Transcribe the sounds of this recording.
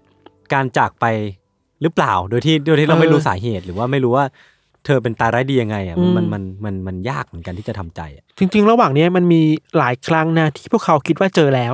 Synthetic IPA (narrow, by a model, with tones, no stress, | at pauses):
kaː˧nt͡ɕaː˨˩k̚pa˧j | ɾɯː˦˥plaː˨˩wdoː˧jt̪ʰiː˥˩doː˧t̪ʰiː˥˩ɾa˧ma˥˩ɾuː˦˥saː˩˦ɦeː˨˩t̪̚ɾɯː˩˦waː˥˩ma˥˩jɾuː˦˥waː˥˩ | t̪ʰɤː˧p̬e˧nt̪aː˧ɾaː˦˥jdiː˧ja˧ŋːa˧jʔa˨˩ʔma˧nma˧nma˧nma˧njaː˥˩k̚mɯː˩˦nka˧nt̪ʰiː˥˩t͡ɕa˨˩t̪ʰa˧mt͡ɕa̰˧jʔa˨˩ʔt͡ɕi˧ŋt͡ɕi˧ŋɾa˧waː˨˩ŋni˦˥ɐma˧nmiː˧laː˨˩˦jkʰɾa˦˥ŋna˦˥t̪ʰiː˥˩pʰu˥˩əkʰa˩˦wkʰi˦˥t̪̚waː˥˩t͡ɕɤː˧lɛː˦˥w